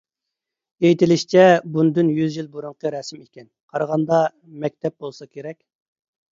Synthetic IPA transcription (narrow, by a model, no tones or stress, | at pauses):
ejt̪ʰɪlɪʃt͡ʃʰɛbund̪ynjyzjilˠbuɾuɴqəɾɛsɪmikʲɛnqʰɑɾʁɑnd̪ɑ | mɛk̚ʲt̪ʰɛp̚bolˠsɑkʲʰeɾɛkʲ